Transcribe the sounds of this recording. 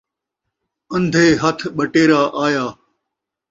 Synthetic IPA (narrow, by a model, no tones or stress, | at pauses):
ə̃nd̪ʱeːɦɐt̪ʰɓəʈeːɾaːʔaːjaː